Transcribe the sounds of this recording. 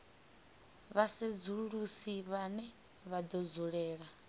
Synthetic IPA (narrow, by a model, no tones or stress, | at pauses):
βased͡zuɺusiβanɛ | βad̪ɔd͡zuɺɛːɺa